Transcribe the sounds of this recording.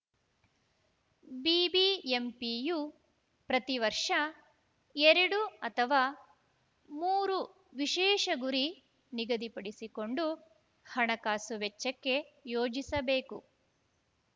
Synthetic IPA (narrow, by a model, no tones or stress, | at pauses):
biːbiempiju | pɾɐt̪iʋɐɾʂɐ | eɾɐɽuɐt̪ʰɐʋaː | muːɾu | ʋiʃɛːʂɐɡuɾi | niɡɐd̪ipɐɽisiko̞ɳɖu | hɐɳɐkaːsuʋet͡ʃːɐkːe̞joːd͡ʒisɐbeːku